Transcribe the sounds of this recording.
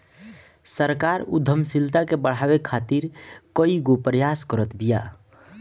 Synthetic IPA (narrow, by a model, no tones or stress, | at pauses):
səɾkaɾṵd̪ʱːəmsilt̪akebəɽ̤abekʰːat̪iɾkəiɡopɾəjaskəɾət̪bija